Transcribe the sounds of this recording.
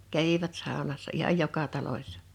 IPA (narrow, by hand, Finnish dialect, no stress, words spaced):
kæʋiʋæt sɑˑonɑsːɑ ihɑj jokɑ tɑlosʲsɑ̥